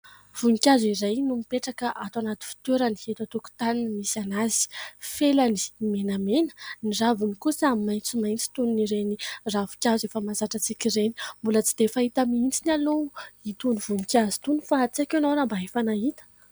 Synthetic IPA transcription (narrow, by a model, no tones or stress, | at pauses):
v̥unikʲaziɾejnumipeʈ͡ʂakəʔat̪wanat̪i̥fi̥t̪eɾanihet̪at̪uku̥t̪aninmisanazi̥felani̥menamenə̥niravunikusamimajnt͡simajnt͡si̥t̪uniniɾeniravu̥kʲazefəmazaʈ͡ʂat͡sikʲireni̥mbulət͡si̥d̪̥efait̪amiint͡sinaluit̪univunikʲazi̥t̪unufat͡siakanoɾambaɦefanaɦit̪ə̥